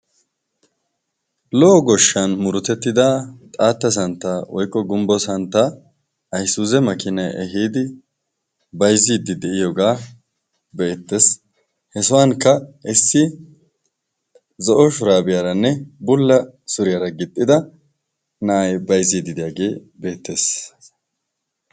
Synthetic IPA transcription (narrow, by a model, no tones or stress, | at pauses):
lɔʔːɡɔʃːɐnmʊɾʊt̪ɛt̪ːɪd̪at̪ʼaːt̪ːɐs̬ɐnt̪ːɐwɔjkʼːɔɡʊmbɔsɐnt̪ːɐ | ɐjsuːzɛmɐkɪnɐjɛ̰ɦiːd̪ɪ | bɐjziːd̪ɪd̪ɛʔɪjɔɡaː | bɛːt̪ːes | hɛsɔwaŋkɐɛsːɪ | zɔʔɔʃʊɾaːbɪjaɾɐnːɛbʊlːɐsʊɾɪjaɾɐɡɪt̪ʼːɪd̪ɐ | nɐɐjbɐjziːd̪ɪd̪ɪjaːɡe̞ː | be̞ːt̪ːe̞ːs